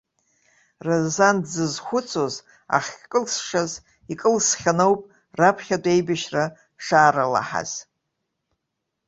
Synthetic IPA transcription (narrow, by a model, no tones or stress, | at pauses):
razzandzɨzχʷʊt͡sʰo̞z | a̰χʲkʼɨlsʂaz | ikʼɨlsχʲanowpʼ | rapʰχʲadʷʼejbaʃra | ʂaːɾala̰ħa̰z̥